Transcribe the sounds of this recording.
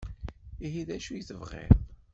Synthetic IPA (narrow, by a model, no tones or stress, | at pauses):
iɦiðæʃujiθəvʁḛðˤ